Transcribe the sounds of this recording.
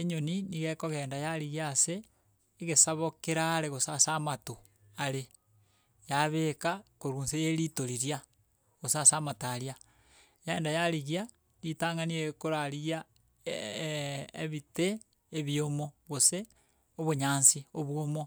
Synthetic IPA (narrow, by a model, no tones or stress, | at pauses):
eɲoniniɣekoɣeːndajaɾiɣjaːseː | ɣesaβokeɾaːɾeɣosasamato | aɾe | jaβekakoɾuːnsejeɾitoɾiɾia | ɣosasaːmataɾja | jeːndajaɾiɣia | nitaːŋaniekoɾaɾiɣja | eβiteː | βiomoɣose | oβoɲaːnsioβwomo